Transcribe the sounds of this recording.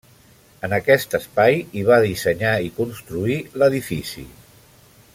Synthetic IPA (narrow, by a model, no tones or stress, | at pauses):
ənəkɛst̪əspajiβ̞aðisəɲaikunst̪ɾuiləðifisḭ